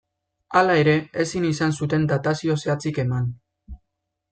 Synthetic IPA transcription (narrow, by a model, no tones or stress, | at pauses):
alae̞ɾe̞esinisansut̪e̞nd̪at̪asio̞se̞at͡sike̞man